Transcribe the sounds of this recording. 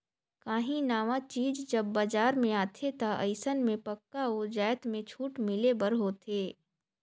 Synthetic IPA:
kaːɦĩnaːʋat͡ʃiːd͡ʒd͡ʒɐbːad͡ʒaːɾmẽaːt̪ʰet̪aə̰ɪsənmẽpɐkːaoːd͡ʒaːjt̪mẽt͡ʃʰuːʈmɪlebɐɾɦoːt̪ʰeː

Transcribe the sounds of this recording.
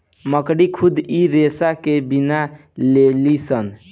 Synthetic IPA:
məkɽikʰud̪iɾesakebina | lelisən

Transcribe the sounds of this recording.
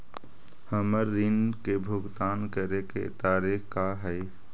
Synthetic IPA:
həməɾːinkebʱʊɡt̪aːnkəɾekḛt̪aːɾekkaɦɛɪ

